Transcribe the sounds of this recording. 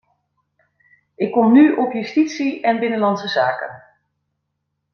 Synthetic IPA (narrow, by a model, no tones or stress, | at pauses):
ɪkːɔmnyʔɔpjystitsiɛnbɪnəlɑnsəzaːkə̰n